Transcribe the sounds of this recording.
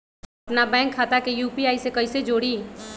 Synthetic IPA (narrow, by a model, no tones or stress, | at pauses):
ɐpnabɛ̃ːŋkʰːaːt̪akejuːpiaːisekɐised͡ʒoːɽiː